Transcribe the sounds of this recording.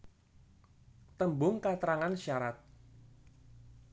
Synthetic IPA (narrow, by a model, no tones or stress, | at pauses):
t̪əmbʊŋkat̪əɾaŋanʃaɾat̪̚